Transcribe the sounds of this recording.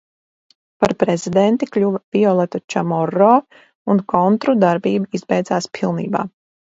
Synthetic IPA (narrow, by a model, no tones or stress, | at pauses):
paɾpɾɛzid̪ɛnt̪iklʲuvv̥ʲiɔlˠɛt̪at͡ʃamɔrɔː | unkɔnt̪ɾud̪aɾbiːbuizbɛjd̪zaːspʰilˠniːba̰ː